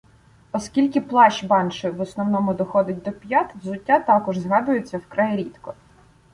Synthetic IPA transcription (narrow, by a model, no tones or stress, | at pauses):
ɔskʲilʲkɪplˠɑʃbɑnʃɪʋɔsnɔwnɔmʊd̪ɔxɔd̪ɪt̚ʲd̪ɔpʲjat̪wzʊtʲːat̪ɑkɔʒzɦɑd̪ʊjet͡sʲːɐwkɾajiɾʲit̪kɔ